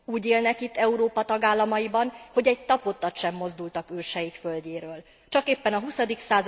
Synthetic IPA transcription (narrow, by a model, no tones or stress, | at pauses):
uːɟeːlnɛkit̪ːɛuɾoːpɒt̪ɒɡaːlːɒmɒjibɒnho̞ɟɛɟ̚t̪ɒpo̞t̪ːɒt̪ʃɛmːo̞zd̪ult̪ɒkøːʃɛjikfølɟeːɾøːl | t͡ʃɒkeːpːɛnɒɦusɒd̪iksaːz